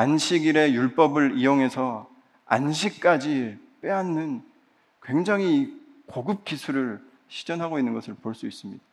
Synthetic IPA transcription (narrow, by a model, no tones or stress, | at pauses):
anɕʰiɡiɾe̞juɭp͈ʌbɯɾijoŋɦe̞sʰʌ | a̰nɕʰik̚k͈ad͡ʑi | p͈eanːɯn | kwe̞ŋd͡ʑaŋɦi | koɡɯp̚k͈isʰuɾɯɭ | ɕʰi̥d͡ʑʌnɦaɡoinːɯnɡʌsʰɯɭpoɭs͈uis͈ɯmɲid̥a